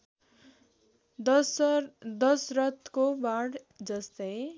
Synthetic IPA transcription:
d̪ʌsrʌt̪kobaɽ | d͡zʌst̪ʌj

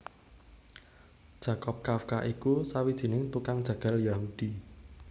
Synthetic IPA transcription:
d̥ʒ̥a̤kɔp̚kafkaʔikusawid̥ʒ̥i̤nɪŋt̪ukaŋd̥ʒ̥ä̤ɡ̥a̤ljaɦud̥i

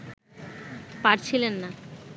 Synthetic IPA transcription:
paɾt͡ɕʰilenːa

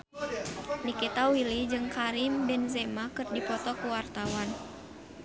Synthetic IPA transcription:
nikit̪awilid͡ʒɨŋkaɾimbɛnzɛmakɨrdipɔt̪ɔkuwart̪awan

